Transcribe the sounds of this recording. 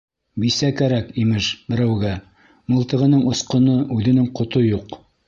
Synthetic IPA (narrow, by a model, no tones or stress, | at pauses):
bisækæɾækimɘʒbɘ̆ɾæwɡæ | mŏlˠt̪ɤ̆ʁɤ̆nɤɴŏsqŏnɤʔʉðɘ̆nɘŋqŏt̪ojuq